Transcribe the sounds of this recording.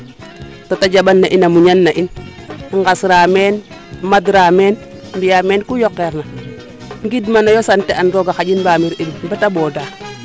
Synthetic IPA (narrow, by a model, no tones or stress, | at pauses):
totaɟabanːaʔinamuɲanːaʔin | ŋɡasɾamen | madɾamen | mbijamɛnkujɔkːɛɾna | ŋɡidmanajosantɛanɾɔɡaxaɟinbaːmiɾidbatabɔːda